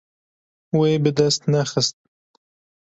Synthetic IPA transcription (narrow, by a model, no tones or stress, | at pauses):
weːbɨd̪ɐst̪nɛxɨst̪̚